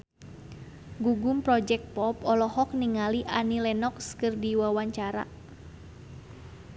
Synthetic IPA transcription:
ɡuɡumpɾɔd͡ʒɛk̚t̪̚pɔpɔlɔhɔk̚niŋaliʔanilɛnɔkskɨrdiwawaɲt͡ʃaɾa̰

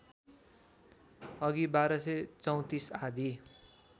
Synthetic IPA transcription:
ʌɡibaɾʌsʌt͡sʌw̃t̪isad̪ʱi

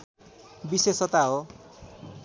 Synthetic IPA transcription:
bisesʌt̪aɦo

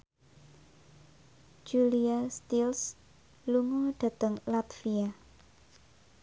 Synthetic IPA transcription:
d͡ʒ̥uliast̪ils | luŋoɖ̥a̤t̪əŋlat̪fia

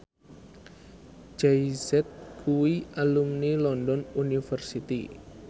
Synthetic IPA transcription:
d͡ʒaisɛt̪̚kʰuwialumnilɔndɔnunifərsit̪ḭ

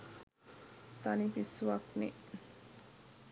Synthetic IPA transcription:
t̪anipisuakni

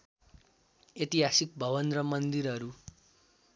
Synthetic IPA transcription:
jet̪iɦasik̚bʱʌβʌnrʌmʌnd̪iɾɦʌɾu

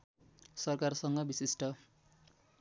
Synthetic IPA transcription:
sʌrkarsʌŋɡʌbisisʈʌ

